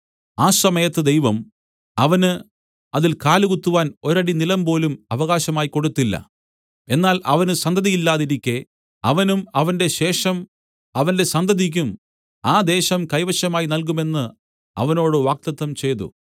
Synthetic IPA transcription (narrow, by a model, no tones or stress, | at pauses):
aːsɐmɐjɐt̪ːɨd̪ejʋɐm | ɐʋɐnɨ | ɐðilkaːluɣut̪ːuʋaːno̞ɾɐɽinilɐmpo̞ːlumɐʋɐɣaːɕɐmaːjiko̞ɽut̪ːilːɐ̰ | e̞nːaːlʔɐʋɐnɨsɐnd̪ʱɐðijilːaːðiɾikʲːe | ɐʋɐnumɐʋɐnde̞ɕe̞ːʂɐm | ɐʋɐnde̞sɐnd̪ɐðik̬ʲːum | aːd̪e̞ːɕɐmkɐjʋɐɕɐmaːjinɐlk̬ume̞nːɨ | ɐ̰ʋɐno̞ːɽɨʋaːk̚t̪ɐt̪ːɐmt͡ɕe̞jt̪ːṵ